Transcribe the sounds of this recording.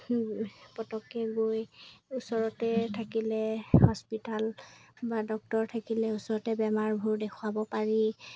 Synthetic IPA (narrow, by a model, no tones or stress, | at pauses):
pɔtɔkɛɡojusɔɹɔtɛtʰakilɛhɔspitalbadɔk̚tɔɹtʰakilɛusɔɹɔtɛbɛmaɹbʱuɹdekʰʊabɔpaɹi